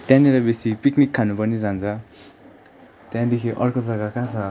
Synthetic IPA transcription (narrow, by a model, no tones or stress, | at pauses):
t̪jãniɾʌbesipiknikʰːanupʌnid͡zant͡sʰʌ | t̪jãd̪ekʰiʔʌrkod͡zʌɡakãt͡sʰʌ